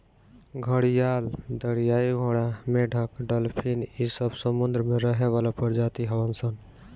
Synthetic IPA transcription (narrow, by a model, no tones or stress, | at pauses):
ɡʱəɽijald̪əɽijaiɡʱoɽameɖʱəkɖəlpʰinisəbsəmund̪ɾəmeɾəɦeβalapəɾd͡ʒat̪iɦəbənsən